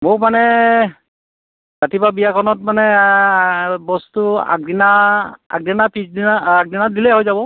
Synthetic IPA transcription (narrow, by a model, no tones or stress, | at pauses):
mʊkmanɛ | zatibabijakʰɔnɔt̚manɛ | bɔstua̰k̚dinaa̰k̚dinapisdinaːk̚dinadilɛɦojzabɔ